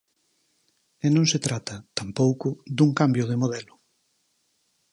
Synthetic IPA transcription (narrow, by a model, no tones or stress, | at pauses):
ɛnõŋset̪ɾat̪ɐt̪ampowkʊd̪uŋkambjʊðemoð̞ɛlʊ